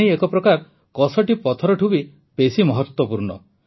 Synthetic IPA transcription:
ejekɔpɾɔkaɾ | kɔsɔʈipɔt̪ʰɔɾɔʈʰubi | pesimɔɦɔt̪wɔpuɾɳɔ̰

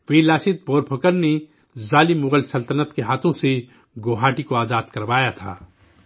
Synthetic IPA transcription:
ʋeːlaːsɪt̪̚boːɾpʰokəɾne | zaːlimʊɣəlsɐlt̪ənət̪keɦaːt̪ʰõse | ɡoːɦaːʈikoaːzaːd̪kɐɾʋaːjat̪ʰa̰ː

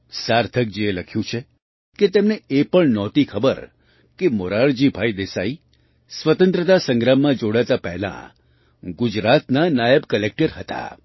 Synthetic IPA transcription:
saɾt̪ʰək̚d͡ʒeeləkʰjũt͡ʃʰe | ket̪emneepəɳnɔt̪ikʰəbəɾ | kemoɾaɭd͡ʒibʱaid̪esai | sʋət̪ə̃nt̪ɾət̪asə̃ŋɡɾamːãd͡ʒoɽat̪apɛɦlã̰ | ɡud͡ʒɾat̪nanajəbkəlek̚ʈəɾɦət̪a̰

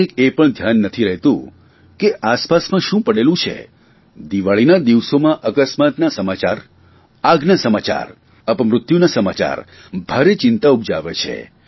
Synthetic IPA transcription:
ekepəɳd̪ʱjanːət̪ʰiɾəɦet̪ṵ̃ | keʔaspasmãʃũpəɽelũt͡ʃʰḛ | d̪iʋaɭinad̪iʋsomãʔəkəsmat̪nasəmat͡ʃaɾ | aɡnasəmat͡ʃa̰ɾ | əpəmɾʊt̪junasəmat͡ʃa̰ɾ | bʱaɾet͡ʃɪnt̪aub̚d͡ʒa̰ʋet͡ʃʰḛ

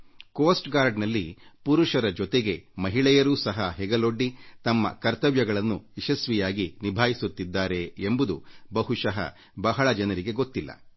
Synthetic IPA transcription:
koːsʈɡaːɾɖnɐlːipuɾuʂɐɾɐd͡ʒɔt̪eɡe̞mɐɦiɭɛjɐɾuːsɐɦɐɦɛɡɐlo̞ɖːit̪ɐmːɐ̰kɐɾt̪ɐʋjɐɡɐɭɐnːuɛʃɐsʋijaːɡinibʱaːjisut̪ːid̪ːaːɾe̞embud̪ubɐɦusɐɦɐ̰ | bɐɦɐɭɐd͡ʒɐnɐɾiɡe̞ɡot̪ːilːɐ̰

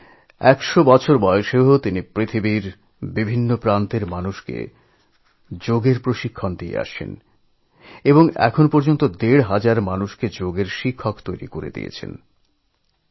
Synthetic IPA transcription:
ɛkʃobɔt͡ɕʰoɾbɔoʃeɦot̪inipɾit̪ʰibiɾ | bibʱinːopɾant̪eɾmanuʃkḛ | d͡ʑoɡeɾpɾoʃikʰːond̪iḛa̰ʃḛn | eboŋɛ̰kʰonpoɾd͡ʑont̪od̪eɽɦad͡ʑaɾmanuʃked͡ʑoɡeɾʃikʰːokt̪ojɾḭkoɾḛd̪ḭjḛt͡ɕʰḛn

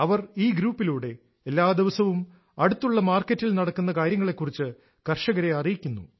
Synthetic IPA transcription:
ɐʋɐriːɡɾuːpːiluːɽe̞ | elːaːd̪iʋɐsɐʋum | ɐɽut̪ːuɭːɐmaːrkːɐtːilnɐɽɐkːunːɐkaːɾjɐŋːɐɭe̞kːurit͡ɕːɨ | kɐrʂɐɣɐɾeɐrijikʲːunːṵ

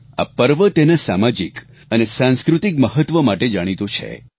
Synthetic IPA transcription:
a̰pəɾʋət̪enasamad͡ʒik | ənesãnskɾut̪ik̚məɦət̪ʋəmaʈed͡ʒaɽ̃it̪ũt͡ʃʰḛ

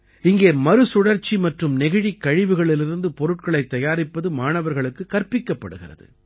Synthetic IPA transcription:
ɪŋɡeːmɐɾɯsʊɽɐɾt͡ʃːimɐʈrɯmnɛɣɪɻikːɐɻɪʋɯɣɐɭɪlɪɾɯnd̪ɯpɔɾɯʈ̚kɐɭɐɪt̪ːɐjaːɾɪpːɐðɯmaːnɐʋɐɾɣɐɭɯkːɯkːɐɾpɪkːɐpːɐɽɯɣɪrɐ̰ðɯ̰

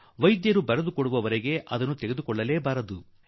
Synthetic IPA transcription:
ʋɐjd̪jɐɾubɐɾɐd̪ukoɽuʋɐʋɐɾeɡe̞ʔɐd̪ɐnːut̪eɡe̞d̪ukɔɭːɐleːbaːɾɐd̪u

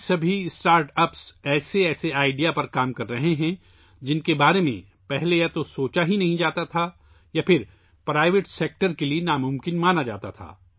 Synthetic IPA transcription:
sɐbʱisʈaːɾʈɐpsɛːseɛːseaːɪɖijapɐɾkaːmkɐɾːɐɦeɦɛ̃ | d͡ʒɪnkebaːɾemḛ̃ | pɛɦlejat̪osoːt͡ʃaɦinɐɦĩd͡ʒaːt̪at̪ʰa | japʰɪɾ | pɾaːɪʋɪʈseːk̚ʈəɾkelienaːmʊ̃mkɪnmaːnad͡ʒa̰ːt̪a̰t̪ʰa̰ː

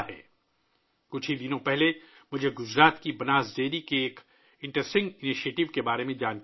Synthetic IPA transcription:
ɦɛ̰ː | kʊt͡ʃʰid̪ɪnõpɛɦle | mʊd͡ʒʱeɡʊd͡ʒɾaːt̪kibɐnaːzd̪eːɾikeːk | ɪ̃ɳʈɾəsʈɪ̃ŋɡɪniʃieːʈɪʋkebaːɾemẽd͡ʒaːnk

